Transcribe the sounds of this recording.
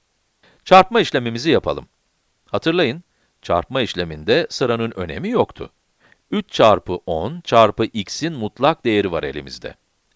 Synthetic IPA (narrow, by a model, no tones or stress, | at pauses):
t͡ʃʰaɾpmaiʃlʲe̞mimizijapʰa̰lˠɯm | hat̪ʰɯɾlˠajɯn | t͡ʃʰa̰ɾpmaiʃlʲe̞mind̪ɛsɯɾanɯnø̞̰ne̞̰mijokt̪ʰʊ̰ | yt͡ʃt͡ʃʰaɾpʰɯʔont͡ʃʰaɾpɯʔicsinmut̪lˠak̚d̪e̞jeɾivaɾe̞lʲḭmizd̪ɛ̰